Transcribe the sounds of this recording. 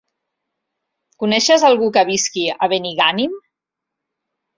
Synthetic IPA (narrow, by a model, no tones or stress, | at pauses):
kunɛʃəzalˠɣukəβ̞iskiəβeniɣanim